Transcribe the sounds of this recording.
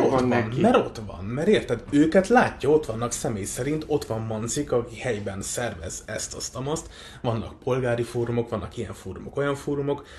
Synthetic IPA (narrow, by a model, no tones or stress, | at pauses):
onmɛɾo̞t̪ʋɒ̰nmɛɾeːrt̪ɛd̪øːkɛt̪laːcːɒo̞t̪ʋɒnːɒksɛmeːjsɛɾint̪o̞t̪ʋɒmːɒnzikɒkihɛjbɛnsɛrvɛ̰zɛ̰st̪ɒst̪ɒmɒst̪ | ʋɒnːɒk̚po̞lɡaːɾifoːɾumo̞kʋɒnːɒkijɛɱfoːɾumo̞ko̞jɒɱfoːɾumo̞k